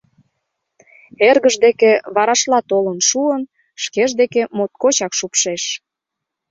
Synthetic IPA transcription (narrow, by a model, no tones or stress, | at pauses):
erɣəʒd̪ekeβɑɾɑʃlɑt̪olənʃuən | ʃkeʒd̪ekemot̪̚kot͡ɕɑkʃupʃeʃ